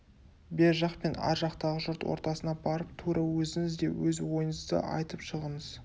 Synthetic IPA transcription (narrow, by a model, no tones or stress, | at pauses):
be̞ɾʒɑqpe̞nɑ̰ɾʒɑqt̪ɑʁəʒʊɾt̪wo̰ɾt̪ɑsənɑbɑɾəp̚t̪ʰuɾɑwɵzɪŋɪzd̪e̞̰wɵzwo̞jənəzd̪ə̰ʔɑ̰jt̪əpʃəʁəɴəz̥